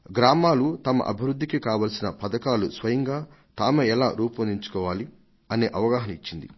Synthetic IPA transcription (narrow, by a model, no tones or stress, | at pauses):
ɡɾaːmaːlut̪ɐmɐ̰ʔɐ̰bʱiʋɾud̪ʱːikikaːʋɐlsinɐpɐd̪ɐkaːlusʋɐjɐŋɡaː | t̪aːmeɛlaːɾuːpɐnd̪iɲt͡ʃu̥kɔːʋaːli | ɐne̞ːʔɐʋɐɡaːɦɐnɐit͡ʃːind̪ḭ